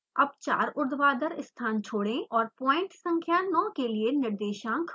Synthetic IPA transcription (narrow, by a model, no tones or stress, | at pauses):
ɐb̚t͡ʃa̰ːɾʊɾd̪ʋaːd̪əɾɪst̪ʰaːnt͡ʃʰoːɽẽʔɔːɾpɔːɪ̃ɳʈsɐ̃ŋkʰjanɔ̃ːkelienɪɾd̪eːʃãːkʰ